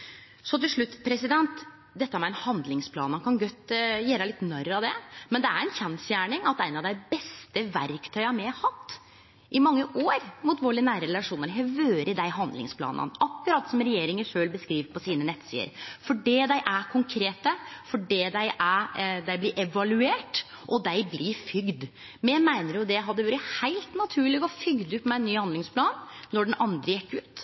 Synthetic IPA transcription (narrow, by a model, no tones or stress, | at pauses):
sɔt̪ɪlʂɭʉt̪ːpʰɾɛsɪd̪ɛnt̪ | d̪ɛt̪ːəhæmɛɛnhɑnd̪lɪŋspʰlɑːnɑnkʰɑnɡœt̪ːjeːɾælɪt̪ːnœɾɑd̪ɛmɛnd̪ɛæ̰ɾɛnçɛnsjæːɳɪŋɑt̪æɪnɑʋd̪æɪbɛst̪əʋæɾkt̪ʰœʏɑmɛhɑt̪ː | ʔɪmɑŋːəʔoːɾmuːt̪ʋoːɭɪnæːɾəɾɛlɑʂuːnəɾɦɛʋøːɾəd̪æɪɦɑnd̪lɪ̰ŋspʰlɑ̰ːnə̰nʔɑkːʉɾɑt̪ːsɔmɾɛjeːɾɪŋəʂøːlbəskɾiːʋəpʰɔsiːnənɛt̪ːsḭːə̰ɾfɔɖid̪æɪʔækʰʊŋkʰɾeːt̪əfɔɖiːd̪æɪʔæd̪æɪblɪɾʔɛʋɑlʉeːʈ | ʔɔd̪æɪblɪfʏɡd̪ | mɛmæɪnəɾjʊd̪ɛɦɑd̪ːəʋøːɾɪhæɪlt̪nɑt̪ʰʉːɭɪɡɔfʏɡd̪əʉp̪mɛɪnːyːhɑnd̪lɪŋspʰlɑːnːɔɖɛn̩ɑnd̪ɾəjɛkːʉːt̪